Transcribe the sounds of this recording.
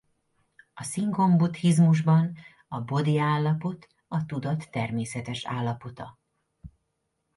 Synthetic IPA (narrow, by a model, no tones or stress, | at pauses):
ɒsiŋɡo̞mbut̪hizmuʒbɒn | ɒbo̞d̪iaːlːɒpo̞t̪ | ɒt̪ud̪ɒt̪ːɛrmeːsɛt̪ɛʃa̰ːlːɒpo̞t̪ɒ